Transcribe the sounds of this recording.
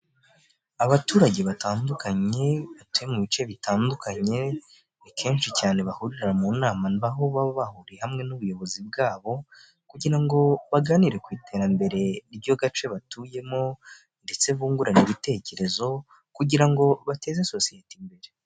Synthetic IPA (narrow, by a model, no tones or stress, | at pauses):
aβatuːɾaɟe̞βataːndukaɲe̞βatujemuβit͡ʃe̞βitaːndukaɲe̞ | nikʰe̞ːnʃicaːne̞βahuɾiɾaɾamunaːmaniβaɦuβaβoβahuɾiehamŋe̞nuβujo̞βo̞zib̚ɡaːβo̞ | kuɟiɾaŋɡo̞βaɡaːniɾe̞kwiːtʰe̞ɾambe̞ɾe̞ɾbɟo̞ɡat͡ʃe̞βatuːje̞mo̞ | nde̞t͡se̞βuːŋɡuɾaniβite̞ce̞ɾe̞zo̞ | kuɟiɾaŋɡo̞βate̞ːzeso̞sijetimbe̞ɾe